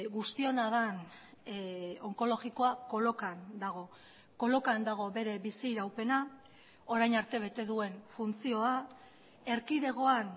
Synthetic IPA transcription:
ɣust̪io̞naðan | o̞ŋko̞lo̞ɣiko̞ako̞lo̞kand̪aɣ̞o̞ | ko̞lo̞kand̪aɣ̞o̞βe̞ɾe̞βisiɾawpe̞na | o̞ɾajnaɾt̪e̞β̞e̞t̪e̞ðue̞nfunt͡sio̞a | e̞ɾkiðe̞ɣ̞o̞an

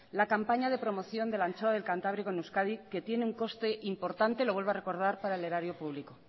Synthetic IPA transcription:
lakampaɲaðe̞pɾo̞mo̞θjo̞nd̪e̞lant͡ʃoaðelkant̪aβɾikonuskaðike̞t̪je̞neuŋko̞st̪e̞ʔimpo̞ɾt̪ant̪e̞lo̞βwelβare̞ko̞ɾð̞aɾpaɾaele̞ɾaɾjo̞puβliko

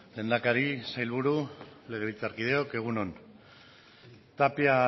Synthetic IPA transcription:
le̞nd̪akaɾisajlβuɾule̞ɣeɾit͡saɾkið̞e̞o̞ke̞ɣ̞uno̞n | t̪apia

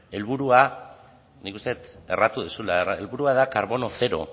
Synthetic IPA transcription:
e̞lβuɾua | nikust̪e̞t̪e̞̰rat̪uðusulaeraelβuɾuaðakaɾβo̞no̞θe̞ɾo̞̰

